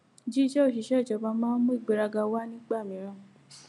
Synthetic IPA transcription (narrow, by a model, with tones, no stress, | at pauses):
d͡ʒi˦ʃɛ˦o˦˨ʃi˨ʃɛ˦˨d͡ʒɔ˨˧˦ba˧mãː˦n̩˦mũ˦i˦˨ɡ͡be˨ɾa˧ɡa˧wa˦nĩ˦ɡ͡ba˦˨mĩ˨˦ɾ̃ã˦˨